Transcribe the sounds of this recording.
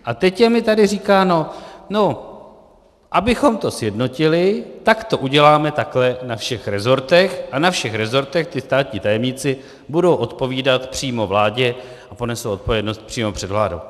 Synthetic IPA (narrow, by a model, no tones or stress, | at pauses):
ʔat̪ɛcjɛmɪt̪adɪriːkaːno̞no̞ | ʔabɪxo̞mt̪o̞sjɛdno̞cɪlɪt̪akt̪o̞ʔuɟɛlaːmɛt̪aklɛnafʃɛxɾɛzo̞ɾt̪ɛxʔanafʃɛxɾɛzo̞ɾt̪ɛxt̪ɪst̪aːt̪ɲiːt̪ajɛmɲɪt͡sɪ | budo̞wʔo̞t̪po̞viːdat̪pr̥iːmo̞vlaːɟɛ | ʔapo̞nɛsowo̞t̪̚po̞vjɛdno̞st̪̚pr̥iːmopr̝̥ɛdvla̰ːdo̰w